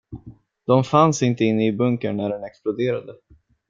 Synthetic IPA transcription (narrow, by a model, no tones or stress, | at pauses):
d̪̥ɔmfansɪnt̪əɪnːəɪbɵŋkəɳːæɖɛnɛksplʊd̪eːɾad̪ə